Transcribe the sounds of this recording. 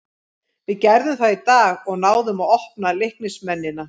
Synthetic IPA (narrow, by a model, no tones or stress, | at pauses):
vɪðcɛɾðʏmθaðit̪aːɣɔɣn̪aːwðʏmaɔhpnalɪhknɪsmɛnːɪna